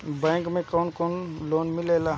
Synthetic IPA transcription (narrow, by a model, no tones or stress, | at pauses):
bɛ̃ːŋkmẽkɔːnkɔːnloːnmɪleːla